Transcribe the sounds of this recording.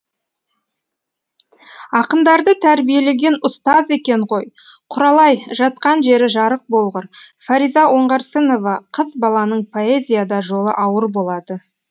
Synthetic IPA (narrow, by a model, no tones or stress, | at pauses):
ɑqənd̪ɑɾd̪ət̪ʰæɾbije̞le̞ɡʲe̞nʊst̪ɑze̞kʲe̞ɴʁo̞j | qʰʊɾɑlˠɑjʒɑt̪̚qɑnʒe̞ɾɪʒɑɾəq̚bo̞lˠʁəɾfaɾijzɑʔo̞ɴʁɑɾsəno̞vɑqʰəzbɑlˠɑnəɴpʰo̞e̞zʲijad̪ɑʒo̞lˠə̰ʔɑwəɾbo̞lˠɑd̪ə